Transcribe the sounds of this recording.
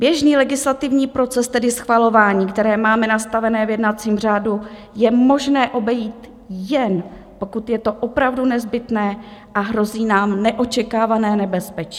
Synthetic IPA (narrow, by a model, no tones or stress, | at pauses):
bjɛʒniːlɛɡɪslat̪ɪvɲiːpɾo̞t͡sɛst̪ɛdɪsxvalo̞vaːɲiːkt̪ɛɾɛːmaːmɛnast̪avɛnɛːvjɛdnat͡siːmr̝aːdu | jɛmo̞ʒnɛːʔo̞bɛjiːt̪ | jɛn | po̞kut̪jɛt̪o̞ʔopɾavdunɛzbɪt̪nɛːʔaɦɾo̞ziːnaːmnɛʔo̞t͡ʃɛkaːvanɛːnɛbɛspɛt͡ʃi̥